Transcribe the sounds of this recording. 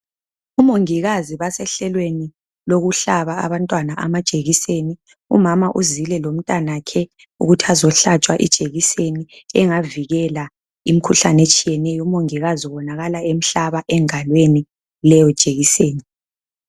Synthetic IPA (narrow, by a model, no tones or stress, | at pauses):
umoŋiɣaziβasɛɬɛlweni | loɣuɬaβaa̰βantʼwanaʔamad̥ʒ̥ʼʱeɣiseni | ṵmamaʔuzilɛlom̩tʼanakʰɛ | ṵɣutʰiazɔɬat͡ʃʼwaʔḭd̥ʒ̥ʱeɣiseniɛŋaviɣɛla | im̩kʰuɬanet͡ʃʼijɛnɛjɔumoŋiɣaziɔβɔnaɣalaem̩ɬaβaʔɛŋalweni | lɛjɔd̥ʒ̥ʱʼeɣiseːni